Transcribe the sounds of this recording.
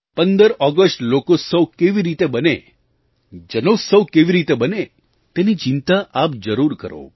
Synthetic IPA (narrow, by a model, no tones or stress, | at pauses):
pənd̪əɾɔɡəsʈlokosəwkeʋiɾit̪ebəne | d͡ʒənosəwkeʋiɾit̪ebəne | t̪enit͡ʃɪnt̪aʔapd͡ʒəɾuɾkə̰ɾo̰